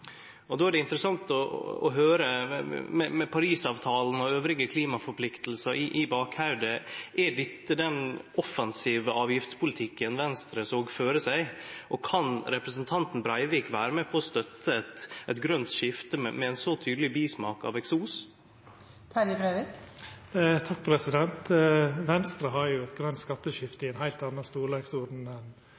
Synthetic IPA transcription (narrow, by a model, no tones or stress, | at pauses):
ɔd̪oːæɖɛɪnt̪ɾəsɑŋt̪ɔ̰ɔ̰ɦøːɾəmɛmɛpʰɑɾiːsɑːʋt̪ʰɑːlnɔøːʋɾɪɡəkʰliːmɑfɔɾpʰlɪkt̪l̩səɾʔɪʔɪbɑːkhɑʉd̪əʔæɖɪt̪ːəd̪ɛnʔɔfɑnsiːʋəʔɑːʋjɪft̪spʊlɪt̪ʰɪkːənʋɛnst̪ɾəsoːɡføːɾəsæɪʔɔkʰɑnɾɛpɾəsn̩t̪ʰɑnt̪n̩bɾɑɪʋiːkʋæːɾəmɛpʰɔːst̪œt̪ʰːəɛt̪ɛt̪ɡɾœnt̪ʃɪft̪əmɛ̰mɛɛnsɔt̪ʰyːd̪lɪbiːsmɑːkɑ̰ʋɛksuːs | t̪ʰɑɪbɾeʋɪk | t̪ʰɑk̚pʰɾɛsɪd̪ɛnt̪ʋɛnst̪ɾəɦɑɾjʊɛt̪ɡɾœnt̪skɑt̪ːəʃɪft̪əɪɛnɦæɪlt̪ɑnːɑst̪uːleɡsɔɾd̪n̩ɛn